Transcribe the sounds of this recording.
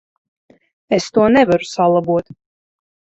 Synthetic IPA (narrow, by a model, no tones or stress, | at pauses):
est̪uɔnɛvaɾusalˠabuɔt̪